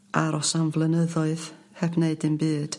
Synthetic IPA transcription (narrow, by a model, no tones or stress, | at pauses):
ʔaɾɔsanvlˠənəðɔɨð̥ | hɛbneɨdɨmbɨːd̥